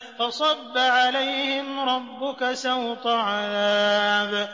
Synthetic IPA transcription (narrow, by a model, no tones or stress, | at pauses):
fɑsˤɑbːaʕalajhɪmɾˤɑbːʊkasawt̪ˤaʕaðaːb